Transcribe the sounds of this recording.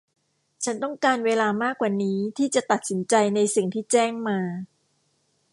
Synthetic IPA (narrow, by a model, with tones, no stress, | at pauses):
t͡ɕʰa˦˥nt̪ɔ˥˩ŋkaː˧nweː˧laː˧maː˥˩kwaː˨˩niː˦˥t̪ʰiː˥˩t͡ɕa˨˩t̪a˨˩t̪̚si˩˦nt͡ɕa˧jna˧jsi˨˩ŋt̪ʰiː˥˩t͡ɕɛː˥˩ŋmaː˧